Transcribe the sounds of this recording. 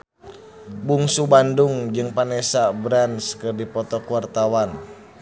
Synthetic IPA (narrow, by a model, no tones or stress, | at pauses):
buŋsubanduŋd͡ʒɨŋpanɛsabɾanskɨrdipɔt̪ɔkuart̪awan